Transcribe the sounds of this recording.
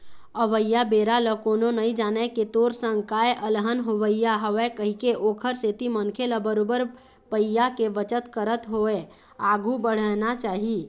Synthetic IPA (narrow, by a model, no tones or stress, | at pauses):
əʋəjːabeːɾaləkoːnonəĩd͡ʒaːnɛket̪oːɾsə̃ŋɡkaːeʔəlɦənɦoʋəjaɦəʋɛkəɦikeʔoːkʰəɾset̪imənkʰeləbəɾoːbəɾ | pəjakeʋət͡ʃət̪kəɾət̪ɦoe | aːɡʱubəɽ̤ənat͡ʃaːɦi